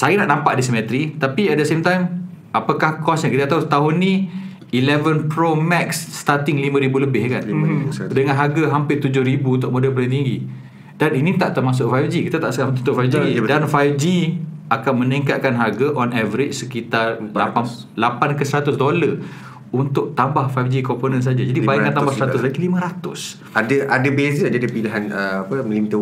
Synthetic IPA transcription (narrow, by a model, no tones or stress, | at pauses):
sajanaʔnampaʔdis̬əmɛt̪ɾit̪apiadəsemt̪ajm | apakahkɔsɲəkit̪at̪aut̪aɦʊnːi | ilɛvənpɾomɛksːt̪at̪ɪŋlimãɾibuləbɪhkandəŋãnɦaɡaɦampɪt̪ud͡ʒʊhɾibunt̪ʊʔ̚modəlp̬əlit̪̬iŋɡi | daninit̪aʔt̪əɾmas̬ʊʔ̚fajfd͡ʒikit̪at̪a̰ʔsəamt̪unt̪ʊʔfajfd͡ʒidanfajfd͡ʒiakanmə̃niŋkat̪̚kanɦaɡaʔɔnavəɾɪt͡ʃsəkit̪arla̰a | lapankəsəɾat̪ʊsdolə | unt̪ʊʔ̚t̪ambahfajfd͡ʒikɔmponəns̬ad͡ʒad͡ʒadibaikant̪ambasɾat̪ʊslaɡilimə̃ɾat̪ʊs | adəʔadəbezid͡ʒadipiliɦanəapəməlint̪ə